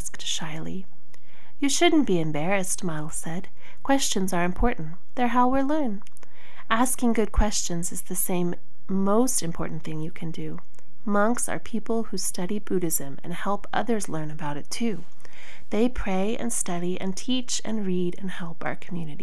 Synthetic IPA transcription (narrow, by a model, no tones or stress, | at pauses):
sktʃaɪlˠḭ | jɨʃʊdⁿn̩b̥iɨ̃mbɛɹɨstmaɪl̩ˠsɛd̥̚ | kʰw̥ɛst͡ʃɨ̃nzə˞ɨ̃mpʰɔɹʔn̩ | ðə˞ɦaʊwɪɹlɜ̃˞n | ʔæskɪ̃ŋɡʊd̚kʰw̥ɛst͡ʃɨ̃nzɨzðɨsẽɪ̃mː | oʊstɨ̃mpʰɔ̰ɹʔn̩θɪ̃ŋjɨkʰɨ̃ndɨ | mʌ̃ŋksə̰˞pʰipl̩ˠhustʌɾibuɾɪzɨ̃mɨ̰̃nhɛlˠpʔʌ̰ðə˞zlɜ̃˞nɨbaʊɾɨtʰʉ | ðeɪpʰɹ̥eɪʔɨ̰̃nstʌɾiʔɨ̰̃ntʰit͡ʃɨ̰̃nɹiɾɨ̰̃nhɛlˠpa̰ʊə˞kʰm̩jʉnɨɾi